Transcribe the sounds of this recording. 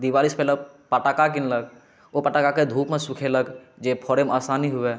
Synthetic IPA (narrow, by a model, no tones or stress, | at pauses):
d̪iwaːliːspɛːlə | pəʈaːkak̬ɪnləɡ | opəʈakaked̪ʱuːpmẽsʊkʰeləɡ | d͡ʒepʰɔːɾemaːsaːniɦʊe